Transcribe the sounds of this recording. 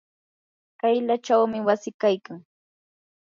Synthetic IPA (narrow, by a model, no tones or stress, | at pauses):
kajlaʈ͡ʂawmɪwasɪkajkaŋ